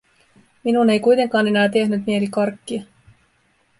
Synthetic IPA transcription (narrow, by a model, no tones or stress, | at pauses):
minune̞jkujt̪e̞ŋkɑːne̞næːt̪e̞hnyt̪mie̞likɑrkːiɑ